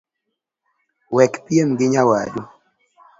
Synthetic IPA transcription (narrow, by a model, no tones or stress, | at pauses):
wɛkpiemɡɪɲawa̰du